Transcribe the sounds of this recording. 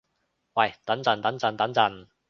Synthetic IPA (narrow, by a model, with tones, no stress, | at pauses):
wɐ˥˨˩jt̪ɐ˨˥nt͡sɐ˨˩nt̪ɐ˨˥nt͡sɐ˨˧nt̪ɐ˨˥nt͡sɐ˧˩n